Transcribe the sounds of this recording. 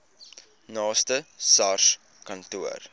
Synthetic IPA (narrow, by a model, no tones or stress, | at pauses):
nɑːstəsɐrʃ | kɐntuər